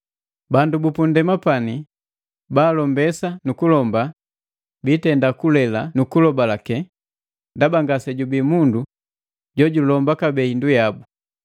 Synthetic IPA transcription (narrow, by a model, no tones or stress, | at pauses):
bandubupundɛmapani | baːlɔmbɛsanukulɔmba | bitɛndakulɛlanukulɔbalakɛ | ndabaŋɡasɛɟubimundu | ɟɔɟulɔmbakabɛhindujabu